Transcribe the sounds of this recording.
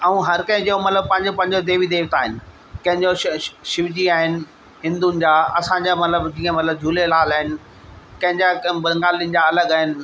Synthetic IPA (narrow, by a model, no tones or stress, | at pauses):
ɐũɦɐɾkɐ̃ɦɪ̃d͡ʑoomɐt̪ləb̚pɐ̃ɦɪ̃ɲd͡ʑopɐ̃ɦɪ̃ɲd͡ʑod̪eːʋid̪eːʋt̪aːɦɪnɪ̆ | kɐ̃ɦɪ̃ɲd͡ʑoʃɪʋd͡ʑiaːɦɪnɪ̆ | ɦɪ̃nd̪unɪ̆d͡ʑaːɐsãɲd͡ʑamɐt̪ləbd͡ʑĩːə̃mɐt̪ləb̚d͡ʑʱuːlelaːlaːɦɪnɪ̆ | kɐ̃ɦɪ̃ɲd͡ʑakbɐŋɡaːliənɪ̆d͡ʑaɐləɡaːɦɪnɪ̆